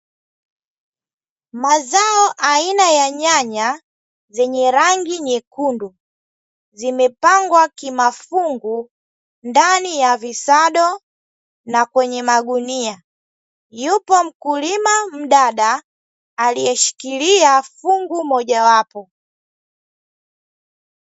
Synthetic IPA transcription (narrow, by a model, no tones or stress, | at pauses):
mazaɔʔainajaɲaɲa | zɛɲɛɾaŋɡiɲɛkundu | zimɛpaŋɡwakimafuŋɡu | ndanijavisaɗɔ | nakwɛɲɛmaɡunia | jupɔm̩kulimam̩ɗaɗaː | lijɛʃi̥kiliafuŋɡumɔʄawapɔ